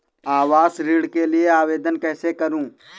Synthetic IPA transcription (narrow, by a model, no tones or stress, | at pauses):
aːʋaːsɾiːɽkelieaːʋeːd̪ənkɛːsekɐɾũː